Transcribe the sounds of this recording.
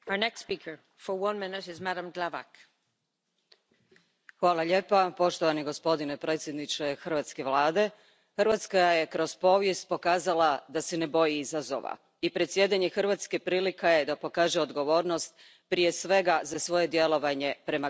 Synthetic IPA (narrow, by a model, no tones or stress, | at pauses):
əənɛkstspikʰə˞ | fə˞wʌ̃nmɪnɪɾɪzmaɾə̃mɡlava̰k | xʋaːlˠaʎe̞ːpapo̞ʃt̪oʋaniɡo̞spo̞d̪inepɾʔe̞ːt̪sʲje̞d̪nit͡ʃexrʋat̪ske̞ʋlˠaːd̪e̞ | xɨrʋat̪skajaje̞kɾo̞z̥po̞ːʋjest̪̚po̞kaːzalad̪ase̞ne̞bo̞jiizazo̰ʋa̰ | ipɾet̪sʲje̞d̪aɲe̞xrʋat̪skepɾiːlikajed̪apo̞kaːʒeod̪ɡo̞ʋo̞ːɾno̞st̪ | pɾijesʋe̞ɡazasʋo̞je̞d̪je̞lˠo̞ʋaɲe̞pɾe̞ma